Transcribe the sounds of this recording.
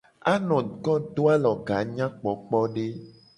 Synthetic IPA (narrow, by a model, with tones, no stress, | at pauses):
a˦nɔ̃˨kɔ˦d̪o˦a˦lɔ˨ɡa˨ɲã˦k͡pɔ˨˦k͡pɔ˦ɖe˦